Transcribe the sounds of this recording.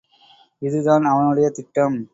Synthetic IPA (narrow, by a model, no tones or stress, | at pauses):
ɪðɯðaːnɐʋɐnɯɽɐjɐt̪ɪʈːɐm